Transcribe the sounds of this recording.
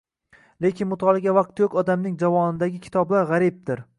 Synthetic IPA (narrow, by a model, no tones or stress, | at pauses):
le̞kʲɪnmʊt̪ʰɒlˠɪɡʲavaq̚t̪jʰokʲɒd̪amnɪŋd͡ʒavɒnɪd̪aɡʲɪkʲʰɪ̥t̪ʰɒblaɾʁaɾɪb̚d̪ɪɾ